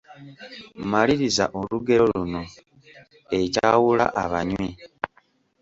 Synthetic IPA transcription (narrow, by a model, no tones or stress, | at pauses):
maliɾizaʔoluɡe̞ɾo̞luno̞ | e̞cawula̰ʔaβaɲwi